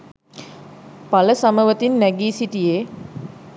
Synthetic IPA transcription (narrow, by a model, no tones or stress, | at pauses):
paləsaməʋət̪inːæɡiːsiʈije